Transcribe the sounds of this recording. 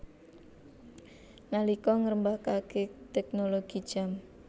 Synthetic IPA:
ŋalikɔŋəɾəmbakaket̪ɛk̚noloɡ̥id̥ʒ̥a̤m

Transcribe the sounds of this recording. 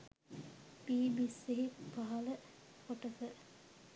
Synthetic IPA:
piːbiseɦipaɦɐlə | foʈəfə

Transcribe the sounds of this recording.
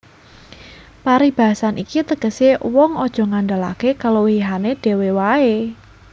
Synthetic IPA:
paɾib̥a̤ɦasanʔikit̪əɡ̥əsewɔŋɔd̥ʒ̥ɔ̤ŋanɖala̰kekalowiiɦaneɖ̥e̤wewae

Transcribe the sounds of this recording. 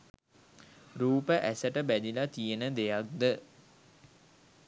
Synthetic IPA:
ɾuːpəʔæsəʈəbæd̪ilat̪ijənəd̪ejak̚d̪ə

